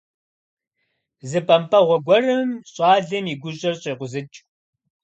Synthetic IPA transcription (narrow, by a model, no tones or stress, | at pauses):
zɨpʰʼɐmpʰɐʁʷɔɡʷɔrɨmɕʼɑːɮɐmiːɡʷʊɕʼɐrɕʼeːqʷʊzɨt͡ʃʼ